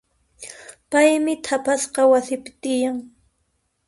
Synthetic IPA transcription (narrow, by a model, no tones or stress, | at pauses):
pajmɪt̪ʰapasqɑwasɪpɪ̥t̪ɪjaŋ